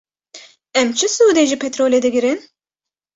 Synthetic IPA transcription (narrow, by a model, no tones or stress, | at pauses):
ɛmt͡ʃʰɨsuːd̪eʒipʰɛt̪ɾoːlʲɛd̪ɛɡʲiɾin